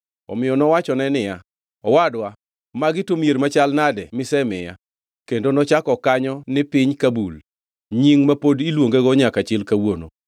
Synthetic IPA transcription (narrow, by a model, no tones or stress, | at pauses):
ɔ̰mɪjɔnɔwat͡ʃɔnɛnɪja | ɔwadwa | maɡɪtomjeɾmat͡ʃalnadɛmɪsɛmɪja | kendonɔt͡ʃakɔkaɲɔnɪpɪɲkabul | ɲiŋmapodilwoŋɡeɡɔɲakat͡ʃɪlkawono̰